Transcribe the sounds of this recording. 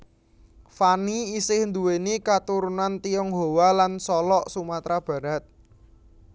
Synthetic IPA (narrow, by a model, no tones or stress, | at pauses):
faniisɪhnd̪uwenikat̪uɾunant̪iɔŋɦowalansɔlɔʔsumat̪ɾab̥ä̤ɾat̪̚